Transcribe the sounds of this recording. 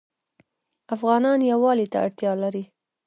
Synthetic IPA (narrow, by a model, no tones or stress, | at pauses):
afɣɑnɑnjawɑlit̪a̰a̰ɽt̪jɑlaɾi